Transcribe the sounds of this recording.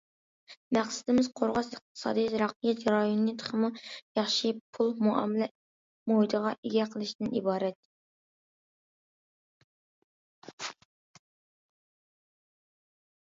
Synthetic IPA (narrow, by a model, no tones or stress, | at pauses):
mæqsɪd̪ɪmɪzqʰoɾʁɑsəq̚t̪ʰɨ̥sɑ̰ːd̪ijzɾɑqijɛt̪ʒɾɑjonːɨt̪ʰə̥χʰəmujɑχʃipʰulˠmuʔɑ̰mɪlɛ | moid̪əʁɑʔeɡʲɛqʰəlˠɨʃd̪ɪnibɑːɾɛt̪̚